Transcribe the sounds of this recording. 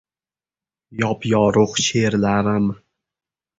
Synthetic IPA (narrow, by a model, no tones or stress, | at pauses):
jɒpjɒɾʊχʃeɾlaɾɪm